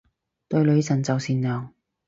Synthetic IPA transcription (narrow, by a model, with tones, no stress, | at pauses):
t̪ɵ˧ɥlɵ˨˧ɥsɐ˨˩nt͡sɐ˨wsiː˨˧nlœː˨ŋ